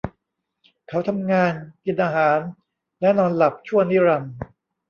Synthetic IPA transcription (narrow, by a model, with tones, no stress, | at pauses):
kʰa˦˥wt̪ʰa˧mŋaː˧nki˨˩nʔaː˧ɦaː˩˦n | lɛ˦˥nɔː˧nla˨˩p̚t͡ɕʰu˥˩ənːi˦˥ɾa˧m